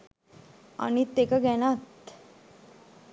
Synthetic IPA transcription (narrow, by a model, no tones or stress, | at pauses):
a̰ɽ̃it̪ekaɡɛñat̪